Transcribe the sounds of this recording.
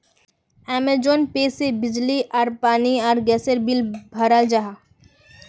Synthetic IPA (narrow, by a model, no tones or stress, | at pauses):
ɛːmed͡ʒoːnpeːsebɪd͡ʒliʔɔːɾpaːniɔːɾɡɛːsəɾbɪlbʱəɾəld͡ʒaɦa